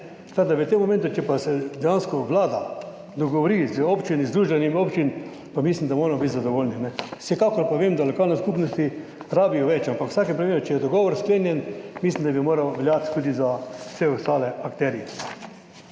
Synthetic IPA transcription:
t̪ad̪aʋət̪emːɔmɛ̃nt̪ʊt͡ʃɛpasɛd̪ɛjanskɔʋlaːd̪a | d̪ɔɡɔʋɔɾizəopt͡ʃinizd̪ɾuːʒbɛnimiopt͡ʃin | pamislimd̪amoːɾɛmɔbit̪zad̪ɔʋoːlninɛsɛkakɔɾpaʋemd̪alɔkaːlnɛskupnɔst̪i | ɾaːbijɔʋɛt͡ʃampakwsaːkɛmpɾimeːɾʊt͡ʃɛjɛd̪ɔɡɔːʋɔɾskleːnjɛnmislimd̪abimoːɾawʋɛljaːt̪t̪ud̪izasɛɔst̪aːlɛakt̪ɛɾijɛ

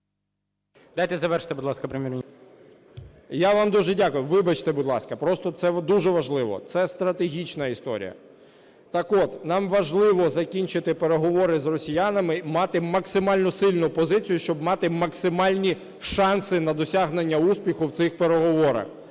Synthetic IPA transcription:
d̪̥ajt̪ɛzɐʋɛrʃɪ̥t̪ɪbud̪lˠɑskɐpɾɪmʲiɾ | jaʋɑmd̪uʒɛdʲakʊjʊʋɪbɐt͡ʃt̪ɛbud̪lˠɑ̰skɐpɾɔst̪ɔt̪sɛd̪uʒɛʋɐʒlˠɪʋɔ̰t̪sɛst̪ɾɐt̪eɦʲit͡ʃnɐist̪ɔ̰ɾʲḭjɐ̰ | t̪ɐkɔt̪nɑmʋɐʒlˠɪʋɔzɐkʲinʲt͡ʃɪt̪ɪpeɾeɦɔʋɔɾɪzrɔsʲijanɐmɪmɑt̪ɪmɐksɪmɑlʲnɔsɪlʲnʊpɔzɪt͡sʲijʊʃt͡ʃɔbmɑt̪ɪmɐksɪmɑlʲnʲi | ʃɑnsɪnɐd̪ɔsʲaɦnenʲːɐuspʲixʊwt̪sɪxpeɾeɦɔʋɔɾɐ̰x

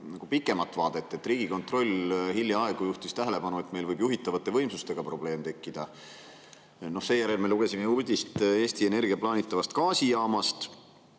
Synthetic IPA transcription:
nɑɡ̥upikːˑe̞mɑt̪ːˑvɑːd̪̥e̞t̪ːˑe̞t̪ːˑriːɡ̥iko̞nt̪ˑro̞lʲhiljɑɑe̞ɡ̥ojuht̪ist̪æɦe̞le̞pɑnue̞t̪me̞jlvɤjbjuɦit̪ːˑɑvɑt̪ːˑe̞vɤjmsust̪e̞ɡ̥ɑpro̞b̥le̞ːmt̪e̞kːid̪̥ɑ | no̞hse̞ːjæɾe̞lme̞luɡ̥e̞sime̞urd̪̥ʲist̪e̞ːst̪ie̞ne̞rɡ̥iɑplɑːnit̪ːˑɑvɑst̪kɑːsijɑːmɑst̪

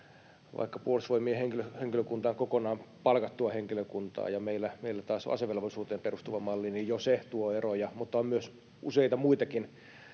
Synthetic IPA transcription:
ʋʔɑ̰ikːɑpuolusʋoimieheŋkiløheŋkiløkunt̪ɑːŋkokonɑːmpɑlkɑt̪ːuɑheŋkiløkunt̪ɑ̰ːjɑmeilːæmeilːæt̪ɑːsɑ̰seʋelʋɑlisuːt̪eːmperust̪uʋɑmɑlːiniːjjoset̪uoerojɑmut̪ːɑommyøs | ʔuseit̪ɑmuit̪ɑkin

